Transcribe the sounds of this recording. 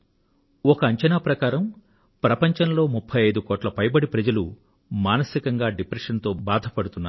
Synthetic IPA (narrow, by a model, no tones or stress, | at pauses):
ɔkɐːɲt͡ʃɐnaːpɾɐkaːɾɐm | pɾɐpɐɲt͡ʃɐnlo̞ːmupʰːɐjɐjd̪ukɔːʈlɐpɐjbɐɽipɾɐd͡ʒɐlṵ | maːnɐsikɐŋɡaːɖipɾɐʂɐnt̪o̞ːbaːd̪ʱɐpɐɽut̪unːa̰